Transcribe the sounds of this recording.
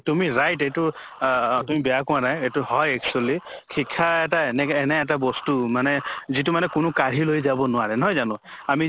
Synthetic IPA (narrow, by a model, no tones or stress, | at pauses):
tumiɹajtetʊ | tumibɛjakʊ̃anajetuhɔjɛk̚t͡ʃualikʰikʰːaɛtaɛnɛɛnɛɛt̬abɔstumanɛzitumanɛkʊnʊkaɹilojzabɔnʊaɹɛnɔɦɔjzanʊ̃ami